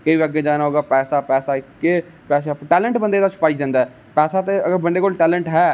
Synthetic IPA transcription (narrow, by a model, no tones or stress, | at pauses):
kəiəɡeːd͡ʒaːnaːɦoːɡaːpɛːsaːpɛːsaːɪkːe | pɛːs̬aʈɛːləɳʈbə̃nd̪eːd̪aːsʊ̥paːɪd͡ʒd̪ãːnd̪aɛː | pɛːsaːt̪eəɡəɾbənd̪eːkoːlʈɛːləɳʈɦɛː